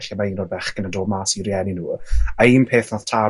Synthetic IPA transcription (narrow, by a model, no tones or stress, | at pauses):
ɬimaiːnɔːdbɛχɡ̥ənadoːbmaːsiɾjɛninuːaiːnpʰeːθnɔð̥tʰa